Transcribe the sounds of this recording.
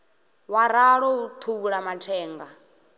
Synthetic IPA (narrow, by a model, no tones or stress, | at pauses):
waɾaɺɔut̪ʰuβuɺamatʰɛːŋɡa